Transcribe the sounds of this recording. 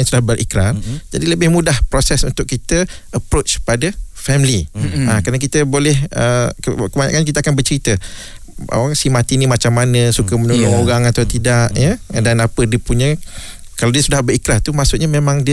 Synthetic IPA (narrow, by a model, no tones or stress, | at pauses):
sudahbərʔḭkɾand͡ʒadiləbɪhmudahpɾosɛsṵnt̪ʊkːit̪ə | ʔəpɾot͡ʃpadəfɛmliakɾanakit̪əbolɛhəkəkəbaɲa̰kanɲk̬it̪̬əakanbərt͡ʃəɾit̪ə | a̰waŋsimat̪inimat͡ʃamːanə̃sukəmənulaŋoɾaŋat̪awt̪idaʔjədanapədiəpuɲə̃ | kaladiəsudahbəɾikɾaht̪umaʔsutʔ̪̚ɲamemãŋdiə